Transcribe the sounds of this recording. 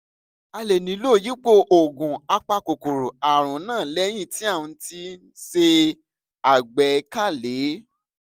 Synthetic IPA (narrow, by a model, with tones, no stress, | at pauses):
a˧le˨nĩ˨˦lo˦˨ji˨˦k͡po˧ʔo˨ɡũ˨a˧k͡pa˧ko˨ko˨ɾo˨a˨ɾ̃ɔ̃˨˦nãː˦˨lɛ˨˦j̃ĩ˦˨ti˨˦a˦˨wũ˧ti˧˦ | se˧ | a˨ɡ͡bɛ˨˦ka˦˨le˨˦